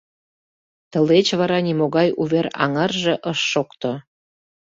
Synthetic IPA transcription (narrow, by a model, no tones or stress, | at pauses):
t̪ə̆let͡ɕβɑɾɑnʲimoɣɑjuβeɾɑ̰ŋərʒĕʔəʃːokt̪o